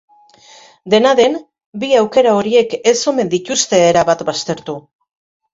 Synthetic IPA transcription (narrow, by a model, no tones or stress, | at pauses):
d̪e̞naðe̞n | biawke̞ɾao̞ɾie̞ke̞so̞me̞nd̪it̪ust̪e̞ːɾaβat̪bast̪e̞ɾt̪u